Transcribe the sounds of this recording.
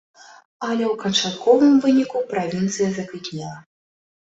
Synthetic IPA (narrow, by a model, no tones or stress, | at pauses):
ɐlʲɛwkɐnt͡ʂat̪kʰɔvɨmvɨnʲikupɾavʲint̪sɨjɐzɐkvʲiknʲɛlˠɐ